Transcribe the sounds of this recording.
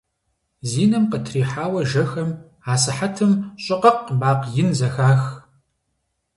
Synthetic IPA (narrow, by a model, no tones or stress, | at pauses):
ziːnɐmqətʰriːħaːwɐʒɐxɐm | aːsɨħatʰɨmɕʼɪqɐqbaːqjɪnzɐxaːx